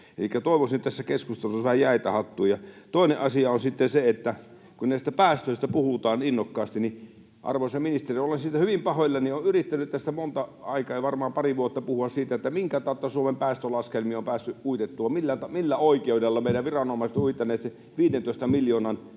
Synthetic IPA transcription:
ḛlikːˑæt̪oˑiʋosint̪t̪æsːækeskust̪elusɑʋæhæjæˑet̪æhɑt̪ːuːjɑt̪oˑineʔɑsiɑonsit̪ːenseet̪ːæ | kunnæˑist̪æpæːst̪øˑist̪æpuhut̪ɑːninːokːɑːst̪ini | ʔɑ̰rʋosɑminist̪eriolːensiːt̪ːæhyʋimpɑhojlːɑnioʔʔyrit̪ːænyt̪t̪æst̪æmont̪ɑɑikɑːeiʋɑrmɑːmpɑriʋuot̪ːɑpuhuɑssiːt̪æet̪ːæmiŋkæt̪ɑˑot̪ːɑsuomempæːst̪ølɑskelmiompæːsːyʔuit̪et̪ːuʋɑmilːæt̪ɑmilːæoˑikeudelːɑmeˑiɾæʋʋirɑnomɑˑiset̪uit̪ˑːɑneːt̪se | ʋiːdent̪oˑest̪ɑmiljoːnɑn

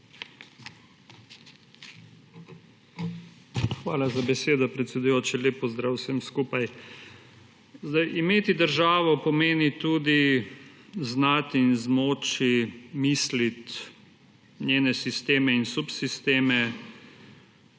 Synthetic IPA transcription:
xʋaːlazabɛseːd̪ɔpɾɛt̪sʲɛd̪ujoːt͡ʃileːpɔzd̪ɾaːwsɛmskuːpaj | zd̪ajʔimeːt̪id̪əɾʒaːʋɔpɔmeːnit̪uːd̪i | znat̪inzmoːt͡ʃimislit̪ | nʲjeːnɛsist̪eːmɛinsupsist̪eːmɛ

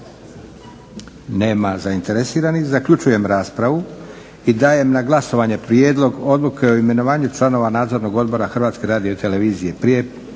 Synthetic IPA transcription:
ne̞ːmazaint̪e̞ɾesiːɾanixzakʎut͡ʃuje̞mɾaːspɾaʋu | id̪aːje̞mnaɡlˠaso̞ʋaɲe̞pɾje̞ːd̪lo̞ɡo̞d̪lˠukʰe̞oime̞no̞ʋaːɲut͡ʃlˠano̞ʋanaːd̪zo̞ɾno̞ɡo̞d̪bo̞ɾaxr̩ʋaːt̪ske̞ɾaːd̪ijot̪e̞le̞ʋiːzije̞pɾije̞

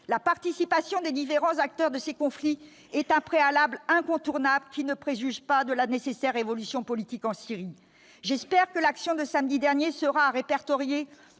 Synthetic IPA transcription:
lapaʁt̪isipasjɔ̃d̪ed̪ifeʁɑ̃zak̚t̪œʁd̪əsekɔ̃fli | ɛt̪ɛ̃pχealablɛ̃kɔ̃t̪uʁnablkʲinəpχeʒyʒpad̪əlanesesɛʁːevɔlysjɔ̃pɔlit̪ikɑ̃siʁi | ʒɛspɛʁkəlaksjɔ̃d̪əsamd̪id̪ɛʁnjesəʁaʁepɛʁt̪ɔʁje

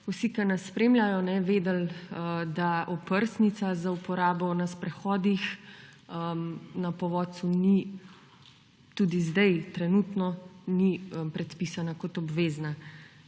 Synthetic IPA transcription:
usikanasːpɾeːmlʲjajɔnɛʋeːd̪ɛld̪aʔɔpəɾsnit̪sazaupɔɾaːbɔnaspɾɛxɔːd̪ix | əmnapɔʋɔːsuni | t̪uːd̪izd̪ajt̪ɾɛnuːt̪nɔnipɾɛt̪piːsanakɔt̪ɔbʋeːzna

